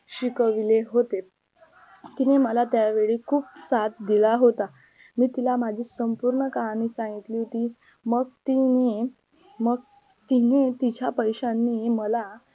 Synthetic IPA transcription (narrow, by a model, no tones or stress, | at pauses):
ɕikəʋileɦot̪e | t̪ineməlat̪jaʋeɭiːkʰuːpsat̪̚d̪ilaɦot̪a | miːt̪ilamad͡ʑʱiːsəmpuɾɳəkaɦañiːsãŋɡit̪liːɦot̪iː | məɡ̚t̪ini | məɡ̚ | t̪inet̪id͡ʑjapəjɕanːiːməla